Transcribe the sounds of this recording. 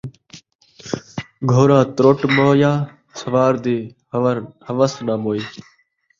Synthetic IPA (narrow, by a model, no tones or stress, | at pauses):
ɡʱoːɾãːt̪ɾoːʈmoːjaː | səʋaːɾd̪iː | həʋəsnaːmoːiː